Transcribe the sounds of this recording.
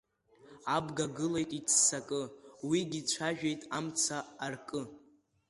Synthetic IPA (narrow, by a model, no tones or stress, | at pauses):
abɡaɡɨlejtʼit͡sʰːakʼɨwiɡʲit͡ɕʷʰaʒᶣejtʼamt͡sʰaːrkʼɨ